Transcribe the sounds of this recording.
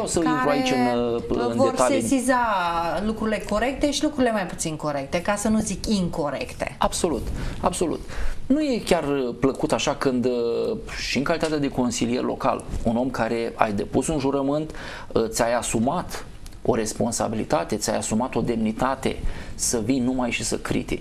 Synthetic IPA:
awsəinɾuait͡ʃɨnɨnvd̪ert̪alsesizalukɾuɾile̞ko̞ɾe̞k̚t̪e̞ʃilukɾuɾile̞majpu̥t̪siŋko̞ɾe̞k̚t̪e̞kasənuzikiŋko̞ɾe̞̰kt̪e̞̰abso̞lut̪abso̞lṵt̪nuje̞kʲarpləkut̪aʃakɨnd̪ | ʃiɨŋkalit̪at̪ead̪e̞ko̞nsilije̞rʲlo̞̰ka̰luno̞mkaɾe̞a̰jd̪e̞pusunʒuɾəmɨnt̪ | t̪sʲajasumat̪ | o̞̰ɾe̞spo̞nsa̰bilḭt̪at̪e̞t̪sʲa̰jasumat̪o̞d̪e̞mnit̪at̪e̞̰səvinnumajʃisə̰kɾḭt̪ik

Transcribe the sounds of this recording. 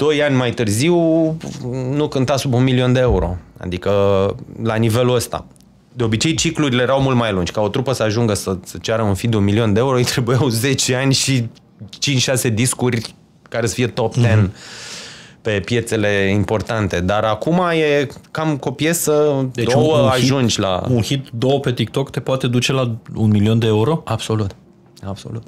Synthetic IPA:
d̪̥o̞janʲmajt̪ɨrziw | nukɨnt̪asubunmilio̞nd̪e̞euɾo̞̰a̰d̪ikəlanive̞luəst̪a̰ | d̪eo̞bit͡ʃe̞jt͡ʃikluɾile̞jeɾawmult̪majlund͡ʒʲkao̞t̪ɾupəsəaʒuŋɡəsəsət͡ʃaɾəunfid̪unmilio̞nd̪eeuɾojt̪ɾe̞bujawze̞t͡ʃe̞anʲʃi | t͡ʃint͡ʃʲʃase̞d̪iskurʲ | kaɾe̞sə̥fije̞t̪o̞pt̪en | pe̞pje̞t̪se̞le̞impo̞rt̪ant̪e̞d̪aɾakumaje̞kamko̞pje̞səd̪ed̪owəaʒund͡ʒʲla̰unxit̪d̪owəpe̞t̪ik̚t̪o̞kt̪e̞poat̪e̞d̪ut͡ʃe̞launmilio̞nd̪eeuɾo̞ab̥so̞lut̪ | ab̥so̞̰lut̪̚

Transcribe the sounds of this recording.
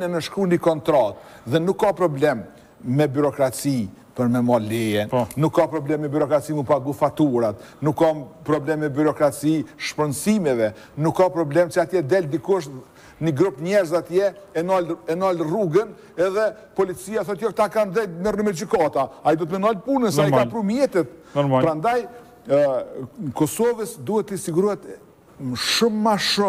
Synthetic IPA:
nɛmɛʃkunikɔnt̪ɾɔt̪̚ | ðɛnukːapɾɔblɛmː | ɛbyɾɔkɾat͡si | pəɾmɛmɔlɛjɛnnukːapɾɔblɛmːɛbyɾɔkɾat͡simɛpaɡufat̪uɾat̪nukːɔmpɾɔblɛmːɛbyɾɔkɾat͡siʃpɾənsimɛvɛ | nukːapɾɔblɛmsiat̪jɛd̪ɛld̪ikuʃ | niɡɾupɲɛɾzat̪jɛɛnɔlɛnɔlruɡən | ɛðɛ | pɔlit͡siaθɔt̪jɔk̚t̪akanðɛmɛɾnəmɛd͡ʒykat̪aaid̪ɔt̪mɛnɔlpunəsaikapɾumjɛt̪ɛt̪̚npɾand̪aj | kɔsɔvəsd̪uhɛt̪ːəsiɡuɾuhɛt̪ | məʃumːaʃu

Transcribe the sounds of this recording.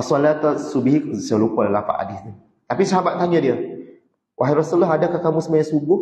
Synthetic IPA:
salat̪asubhiksalukɔlalafa̰ʔa̰dɪsɲu | t̪apisəɦabat̪̚t̪aɲãdiə | wʔaɦaɾɔsulaɦadakahkamũsəmajãsubʊh

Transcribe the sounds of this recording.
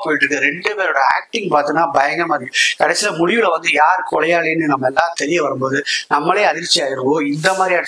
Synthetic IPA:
poːjɪʈːɾɯkːɯɾɛɳɖɯpeːɾoːɽɐa̰ːk̚ʈɪŋɡpaːɾt̪ɯnaːbɐjɐŋɡɐmaːikɐɽɐsɪlɐmʊɻɪʋɪlɐʋɐnd̪ɯjaːɾkːɔlɐjaːɭeːnːɯnɐmːɐɛlːaːt̪ɛɾɪjɐʋɐɾɯmboːðɯnɐmːɐɭleːɐðɪɾt͡ʃːɪaːjɪɾɯʋõːɪnd̪ɐmaːd̪ɾiɐ

